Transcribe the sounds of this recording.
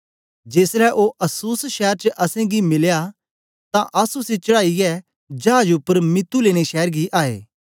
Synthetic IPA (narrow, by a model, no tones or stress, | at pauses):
d͡ʒeːsɾɛʔoːʔɐsuːsʃɛːɾt͡ʃəʔɐsẽɡimɪlja | t̪ãʔɐsuset͡ʃɐɽaːiɛ | d͡ʒɐaːd͡ʒʊpːəɾmɪt̪ːuleːɽ̃eʃɛːɾɡiʔaːḛː